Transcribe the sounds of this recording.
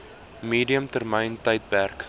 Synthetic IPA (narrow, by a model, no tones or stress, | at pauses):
miːdiəmtərməjntəjt̚pærk